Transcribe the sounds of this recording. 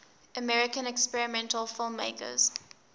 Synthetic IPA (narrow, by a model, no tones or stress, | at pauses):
əmɛɹɪkə̃nɛkspɛɹɪmɛ̃ntəlˠfɪlˠmːeɪkə̰z̥